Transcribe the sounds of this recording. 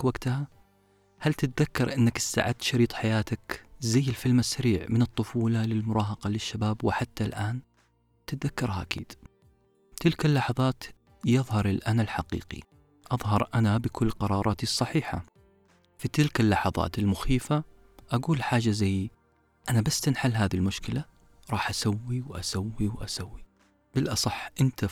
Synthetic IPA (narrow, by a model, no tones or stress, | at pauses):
waɡt̪ha | halt̪ɪt̪̚ðakːɑɾˤʔɪnːakɪsːa̰ʕad̪ʃɑɾiːt̪ˤħajaːt̪akzajːɪlfɪlmasːaɾiːʕmɪnɨt̪ˤːʊfuːlalɪlmʊɾˤɑːɦɑqɑlɪʃːabaːbwɪħat̪ːalʔaːn | t̪ɪt̪̚ðakːɑɾˤhaʔakḭːd̪̥ | t̪ɪlkalːɑħɑðˤɑːt̪ | jɨðˤɦɑɾˤɪlʔanalħaqḭːqḭ | ʔɑðˤɦɑɾˤʔanabɪkʰʊlːqɑɾˤɑːɾˤɑːt̪isˤːɑħiːħa̰ | fit̪ɪlkalːɑħɑðˤɑ̰ːt̪ɪlmʊxiːfa | ʔaɡuːlħaːd͡ʒazaj | ʔanabast̪anħalːɦaːðilmʊʃkɪla | ɾˤɑːħʔasawːiwʔasawːiwʔasawːi | b̥ɪlʔɑsˤɑħːʔɪnt̪a